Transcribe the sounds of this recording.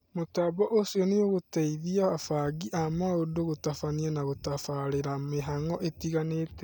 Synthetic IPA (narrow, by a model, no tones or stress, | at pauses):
motaβɔʔosiɔneoɣotɛiðiaafaɡiʔamaodoɣotafanianaɣotafaɾeɾameɦaŋɔʔetiɣaneːtɛ̥